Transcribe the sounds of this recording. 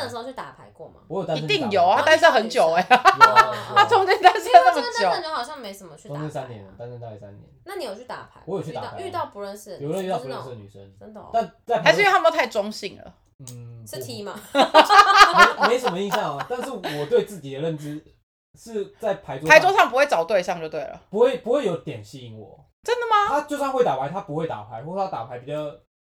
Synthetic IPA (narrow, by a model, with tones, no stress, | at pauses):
nə˩˧˥o˥˧t͡ɕʰy˥˩t̪a̰˨˩pʰa˧˦ɪkwɔ˥˩ma̰˩wɔ˧˦jo˨˩t̪a˥˧˦t̪i˥˩ŋjo˨˩ʊa˥t̪a˥nʂə˥˩xə˧˦nt͡ɕjo˨˩ʊe˦ | a˥˩t͡sʰo˥ŋt͡ɕi˥˧nt̪a˥nʂə˥˧na˥˩mə˨˩˥t͡ɕjo˨˦˥i˧˥nxɑ˨˩ɕjɑ˥ŋme˧˥ɪsə˨˩nmə˦t͡ɕʰy˥o˥ŋt͡ɕʰi˥˧nsa˦nt̪jɛ̰˨˦n˧˩t̪a˦nə˧nt̪a˥˧˩i˥˩sa̰˦nt̪jɛ̰˨˦nna˥˩ni˧˥jo˨˩t͡ɕʰy˥˩t̪a̰˨˩pʰa˨˧˦ɪwɔ˧˦jo˨˩t͡ɕʰy˥˧a̰˨˧˨y˥˧t̪ɑ˥˩ʊpu˧˦ɻə˥˧nʂ̩˥jɻə˥˧ny˥˧t̪ɑ˥˩˨u˧˥ə˧˨nʂ̩ɻə˨ny̰˨˩ʂə̰˦n˥˧t̪a˥˧nt͡sa˥˩ɪpʰa˨˦ʂ̩˥t̪ʰə˨˧o˥t̪ʰɪʈ͡ʂʊ˥ŋɕi˥˩ŋlə̰˩ | n̩˥˩˥t̪ʰi˧˥ma˧˥ | mme˧˥ɪʂə˨˩mə˧i˥˧ɕjɑ˥˨˩ŋ˩t̪a˥˧nʂɻ̩˥˩wɔ˨˩t̪we˥˧ɪt͡sɹ̩˥˩t͡ɕi˨˩d̪ə˩ɻə˥˩nt͡sɻ̩˥ | ʂɻ̩˥˧t͡sa˥˩ɪpʰa˧˦ɪt͡swpa˨˦ɪt͡swɔ˥ʂɑ˥˩ŋp̬u˥xwe˥˩ɪt͡sɑ˨˩ʊt̪we˥˧ɪɕjɑ˥˧ŋt͡ɕjo˥˧ʊt̪we˥˩ɪlə̰˩pu˧˥xwe˥˩ɪpu˧xwe˥˩ɪjo˧˥ʊt̪jɛ˨˩nɕi˧i˧˥ŋwɔ̰˨˩ | ʈ͡ʂə˦˥nd̪ə˨mɐ˧t̪ʰa˥t͡ɕjo˥˧ʊsa˥˧ŋxwe˥˩ɪt̪a˨˩pʰa˧ɪt̪ʰa˦˥pu˧xwe˥˩ɪt̪a̰˨˩pʰa˧˦ɪxwɔ˥˩˥a˥t̪a˨˩pʰa˧˦ɪpi˨˩t͡ɕɑ˥˧ʊ